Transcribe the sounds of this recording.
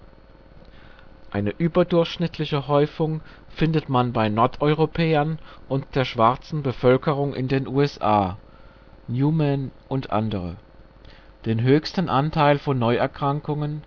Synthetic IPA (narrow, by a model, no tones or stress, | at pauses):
ʔaɪnəʔyːbɐdʊɐçʃnɪtʰlɪçəɦɔʏfʊŋ | fɪndətmanbaɪnɔɐtɔʏʁopʰɛːɐnʔʊnt̚d̥eːɐʃv̥aɐt͡sn̩bəfœlkəʁʊŋʔɪ̰ndeːnʔuːɛsʔa̰ː | njuːmɛnʔʊntʔa̰ndəʁ̞ə̰ | d̥eːnɦøːçstn̩ʔantʰaɪlfɔnːɔʏɛɐkʁ̥aŋkʊŋən